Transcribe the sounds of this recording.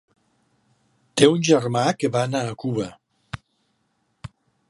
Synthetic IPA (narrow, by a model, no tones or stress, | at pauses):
t̪eunʲʒərmakəβaːnaːkuβə